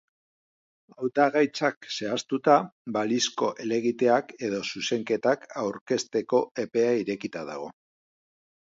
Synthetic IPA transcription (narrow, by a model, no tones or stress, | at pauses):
awt̪aɣajt͡sakse̞ast̪ut̪abalisko̞ʔe̞le̞ɣit̪e̞ake̞ð̞o̞suse̞ŋke̞t̪akawɾke̞st̪e̞ko̞e̞pe̞aiɾe̞kit̪aða̰ɣ̞o̞